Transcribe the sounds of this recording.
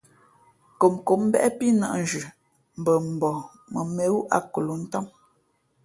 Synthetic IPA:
ko˨mko˨˦m̩˦bɛ˦ʔpi˦na̰˨ʔn̩˨d͡ʒʉ˨ | m̩˨bə˨m̩˨bɔ˨ | mə˨me˦wu˦ʔa̰˦ko˨lo˨˦n̩˦tɔ˦m

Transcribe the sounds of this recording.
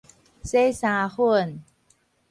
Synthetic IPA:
se˥˩saː˧xu˥˩ə˨n

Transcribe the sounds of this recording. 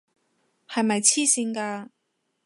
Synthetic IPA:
hɐ˨jmɐ˨jt͡sʰiː˥siː˧ŋkaː˧

